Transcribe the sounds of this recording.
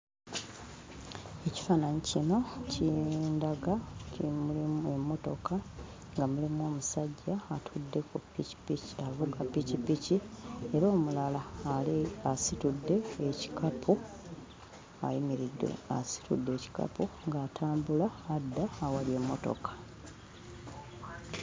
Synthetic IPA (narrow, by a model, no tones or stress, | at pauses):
e̞ci̥faːnaɲicino̞cindaɡacimulimue̞mːo̞to̞ka | ŋɡamulimuo̞ːmusaɟːaːtʰudːe̞kupipicavuɡapːicipicie̞ɾo̞ːmulalaleasitudːe̞ːci̥kʰapʰu | a̰jimiɾidḛa̰si̥tudːe̞ːci̥ka̰puŋɡaːtʰaːmbulaːdːaːwalje̞mːo̞to̞̰kḁ